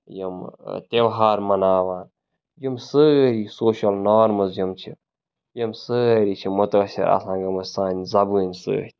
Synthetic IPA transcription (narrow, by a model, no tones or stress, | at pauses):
jɐmt̪ewɦaːɾmɐnaːʋaːn | jimsɨɾisoːʃɐlnɔːɾmɐzjɐmt͡ʃʰḭ | jɐmsɨɾit͡ʃʰimut̪əsḭɾʔa̰sãːŋɡɐmɐssaːnʲzɐbuːnʲsɨ̰ːt̪ʲʰ